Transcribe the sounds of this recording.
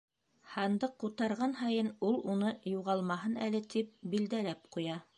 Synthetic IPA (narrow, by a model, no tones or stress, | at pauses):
hɑnd̪ɤqːut̪ɑɾʁɑnɦɑjɤnulˠunɤjuʁɑlˠmɑɦɤnælɘt̪ip̚bild̪ælæp̚qujɑ